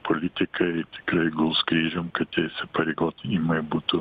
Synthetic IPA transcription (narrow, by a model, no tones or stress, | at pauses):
pʰolʲɪt̪ʲɪkʰɐt̪ʲɪ̥kɾɐɪɡʊlˠskɾʲiːʒomkɐt̪t̪ʲeːsʲɪpɐɾʲeːɡoːt̪imɐɪbuːt̪ʊ